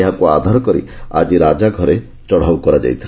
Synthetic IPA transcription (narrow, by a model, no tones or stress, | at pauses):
eɦakuad̪ʱaɾɔkɔɾḭa̰d͡ʒiɾad͡ʒaɡʱɔɾe | t͡ʃɔɽ̤awkɔɾad͡ʒa̰jt̪ʰi